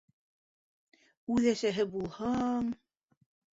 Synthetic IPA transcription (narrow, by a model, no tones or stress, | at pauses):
ʉðæsæɦɘbulˠhɤŋ